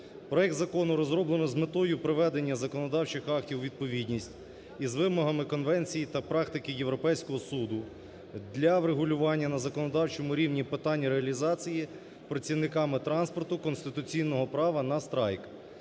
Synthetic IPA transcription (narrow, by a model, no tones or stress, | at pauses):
pɾɔɛk̚t̪zɐkɔnʊɾɔzɾɔblˠenɔzmet̪ɔjʊpɾɪʋɛd̪enʲːɐzɐkɔnɔd̪ɑwt͡ʃɪxɑk̚tʲiwʋʲid̪̚pɔʋʲidʲnʲisʲtʲ | izʋɪmɔɦɐmɪkɔnʋɛnʲt͡sʲijit̪ɐpɾɑkt̪ɪkɪjewɾɔpɛjsʲkɔɦɔsud̪ʊ | d̪lʲɐʋɾeɦʊlʲʊʋɑnʲːɐnɐzɐkɔnɔd̪ɑwt͡ʃɔmʊɾʲiwnʲipɪt̪ɑnʲːiɾeɐlʲizɑt͡sʲiji | pɾɐt͡sʲiwnɪkɑmɪt̪ɾɑnspɔrt̪ʊkɔnst̪ɪt̪ʊt͡sʲijnɔɦɔpɾɑʋɐnɐst̪ɾɑjk